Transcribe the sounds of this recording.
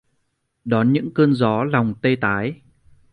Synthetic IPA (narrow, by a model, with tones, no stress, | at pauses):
ɗɔ˨˦nɲɨ̰˧˥ŋkəː˧nzɔ˨˦la˨˩wŋ͡mt̪e˧t̪aː˨˦j